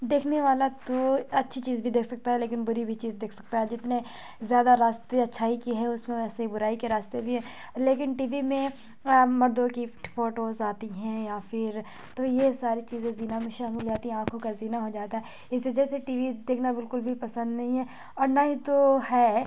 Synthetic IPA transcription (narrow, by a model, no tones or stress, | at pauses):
d̪eːkʰneʋaːlat̪oɐtːʃʰit͡ʃiːzbʱid̪eːkʰsɐk̚t̪aɦɛleːkɪnbʊɾibʱit͡ʃiːzd̪eːkʰsɐk̚t̪aɦɛd͡ʒɪt̪nẽ | zjaːd̪aɾaːst̪eɐtːʃʰaːɦikiɦɛʊsmẽɛːseibʊɾaːikeɾaːst̪ebʱiɦɛ | leːkɪnʈiːʋimẽ | mɐɾd̪õkifoːʈoːzaːt̪iɦɛ̃ːjafɪɾ | t̪ojesaːɾit͡ʃiːzẽziːnamẽʃaːmɪld͡ʒaːt̪iɦɛ̃ãːkʰõkaziːnaɦod͡ʒaːt̪aɦɛ | ɪsʋɐd͡ʒɛseʈiːʋid̪eːkʰnabɪlkʊlbʱipɐsə̃nd̪nɐɦĩɦɛ̃ | ɔːɾnaɦĩt̪oɦɛː